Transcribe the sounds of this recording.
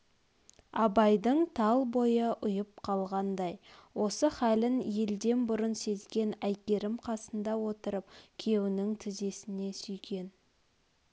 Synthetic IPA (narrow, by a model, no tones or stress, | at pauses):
ɑbɑjd̪əɴt̪ʰɑlˠbo̞jəʔʊjəp̚qʰɑlˠʁɑnd̪ɑjwʔo̞səχælɪnje̞ld̪e̞nbʊɾənse̞zɡʲe̞næjkʲe̞ɾɪmqʰɑsənd̪ɑwo̞t̪əɾəp̚kʲʰe̞wɪnɪŋt̪ʰɪze̞sɪne̞sʏjkʲe̞n